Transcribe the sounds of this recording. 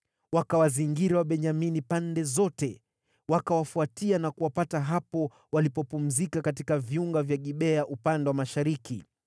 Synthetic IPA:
wakawaziŋɡiɾawaɓɛɲaminipandɛzɔtɛ | wakawafuatianakuwapataɦapɔ | walipɔpum̩zikakat̬ikaviuŋɡavjaɠiɓɛaʔupandɛwamaʃaɾikḭ

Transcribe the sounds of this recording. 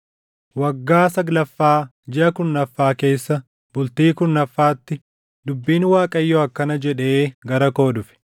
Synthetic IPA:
wɐɡːaːsɐɡlɐfːaː | d͡ʒɪʔɐkʊnːɐfːaːke̞ːsːɐ | bʊlt̪iːkʊnːɐfːaːt̪ːɪ | d̪ʊbːiːnwaːkʼɐjːɔɐkːɐnɐd͡ʒɛᶑe̞ːɡɐɾɐko̞ːd̪ʊfɪ̥

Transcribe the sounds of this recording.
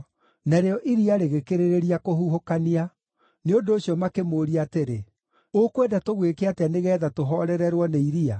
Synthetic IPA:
naɾeɔʔiɾiaɾeɣekeɾeɾeɾiakoɦuɦokania | neondoːɕiɔmakemoːɾiateɾe | okwedatoɣwekeateaneɣɛːðatoɦɔɾɛɾɛɾwɔneiɾia

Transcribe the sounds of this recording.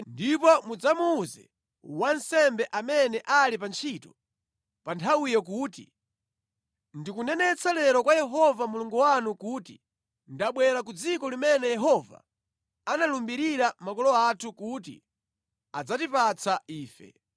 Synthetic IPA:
ndipɔmud͡zamuːzɛ̰ | wansɛmbɛʔamɛnɛʔalipant͡ʃʰitɔ̥ | pantʰawijɔk̬uːtḭ | ndikunɛnɛt͡sʰalɛɾɔkwajɛɦɔvamuluŋɡuwanukuti | ndaɓwɛɾak̬ud͡zikɔlimɛnɛjɛɦɔva̰ | analumbiɾiɾamakɔlɔatʰukut̬ḭ | ad͡zatipat͡sʰaiːfɛ̰

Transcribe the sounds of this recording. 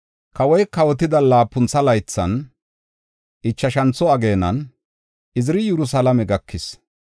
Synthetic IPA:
kɐwɔjkɐwɔt̪̬ɪd̪ɐlaːpːʊnt͡sːɐlɐjt͡sːɐ̰n | ʔɪt͡ʃːɐʃɐnt͡sːɔɐɡe̞ːnɐ̰n | ɪzɪɾɪjɛɾʊs̬alɐmɛɡɐkʰːɪs

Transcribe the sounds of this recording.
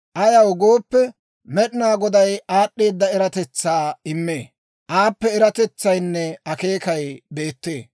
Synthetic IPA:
ʔɐjɐwɡo̞ːpːɛ | mɛɗɪnaːɡɔd̪ɐjʔaːɗːeːd̪ːɐɛɾɐt̪ɛt͡sːaːɪmːeː | ʔaːpːɛɛɾɐt̪ɛt͡sːɐjnːɛɐke̞ːkɐjbe̞ːt̪ːe̞̰ː

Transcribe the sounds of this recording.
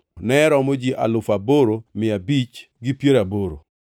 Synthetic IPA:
nɛɾɔmod͡ʒiʔa̰lʊfaboɾomɪabit͡ʃ | ɡɪpjeɾaboɾo̰

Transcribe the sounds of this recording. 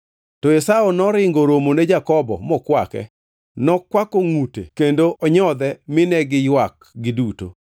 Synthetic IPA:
tɔesaonɔɾɪŋɡoɾomoned͡ʒakɔbɔ̰mɔkwakɛ̰ | nɔkwakoŋutḛkendoʔɔɲɔd̪ɛmɪnɛɡɪjwak | ɡɪduto̰

